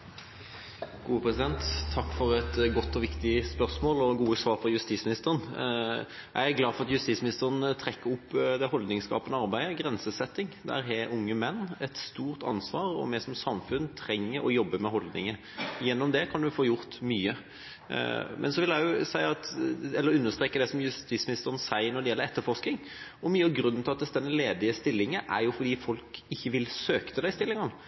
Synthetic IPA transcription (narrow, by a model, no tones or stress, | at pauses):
ɡ̥uːəpʰɾɛsɪd̪ɛnt̪ʰːɑkːfɔɾɛt̪ɡɔt̪ːɔʋɪkt̪ɪspœɾsmoːlɔɡuːəsʋɑːɾfɔjʉst̪iːtsmɪnɪst̪əʁən | æɪæɡlɑːfɔʁɑt̪jʉst̪iːtsmɪnɪst̪əʁənt̪ʰɾɛkːəɾʊpːd̪ɛɦɔld̪nɪŋskɑ̰ːpənəɑɾbæɪəɡʁɛnsəsɛt̪ːɪŋd̪æ̰ːɾɛʊŋːəmɛnːɛt̪st̪uːʁt̪ɑ̰nsʋɑːɾɔ̰mɛsɔmsɑmfʉnt̪ʰɾɛŋːəɾɔjɔbːəmɛɦɔld̪nɪŋə | jɛnːɔmd̪ɛkʰɑnd̪ʉfoːjʊʁt̪myːə̰ | mʔɛ̰nsɔʋɪljæɪjʊsæɪɑt̪ɛləɾʉnːəst̪ɾeːkəd̪ɛsɔmjʉst̪iːtsmɪnɪst̪əɾənsæɪnɔd̪ɛjɛlːəɾɛt̪ːəɾfɔʂk̪ɪŋ | ɔmyːəɑɡɾʉnːnʰɪlɑt̪ɛsd̪ɛnːəleːd̪ɪəst̪ɪlːɪŋəʔæɾjʊfɔɾd̪iːfɔlkɪçːəʋɪlsøːkt̪əd̪æɪst̪ɪlːɪŋɑnə